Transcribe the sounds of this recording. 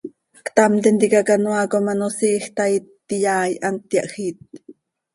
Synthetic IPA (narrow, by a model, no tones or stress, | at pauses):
kt̪amt̪ɛnt̪ikakanwakomanosiːxt̪ait̪ːijaːjʔant̪jaʔxiːt̪̚